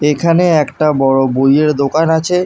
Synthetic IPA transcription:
ekʰaneɛkʈabɔɽobojeɾd̪okanat͡ɕʰe

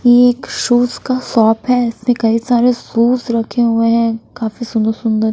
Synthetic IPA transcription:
jeːkʃuːzkasɔːpɦɛɪsmẽkɐisaːɾesuːzɾɐkʰeɦʊeɦɛ̃kaːfisʊ̃nd̪əɾsʊ̃nd̪əɾ

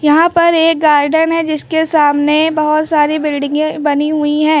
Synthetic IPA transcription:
jɐɦãpɐɾeːk̚ɡaːɾɖənɦɛd͡ʒɪskesaːmnebɐɦʊt̪saːɾibɪlɖɪ̃ŋɡẽbɐniɦuiɦɛ̃ː

